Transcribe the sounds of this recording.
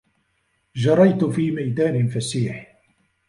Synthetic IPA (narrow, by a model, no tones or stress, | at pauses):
d͡ʒɑɾˤɑjt̪fiːmajd̪aːnɪfasiːħ